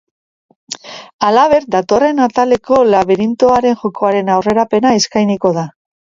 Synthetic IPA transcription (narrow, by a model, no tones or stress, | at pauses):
alaβe̞ɾd̪at̪o̞re̞nat̪ale̞ko̞laβeɾint̪o̞aɾe̞nʝoko̞aɾe̞nawre̞ɾape̞naiskajniko̞ða